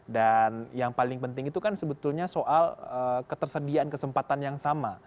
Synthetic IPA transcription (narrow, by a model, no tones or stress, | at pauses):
danjaŋpalɪŋpənt̪ɪŋit̪ukansəbət̪ulɲasoʔaləkət̪ərsədiaankəsəmpat̪anjaŋsama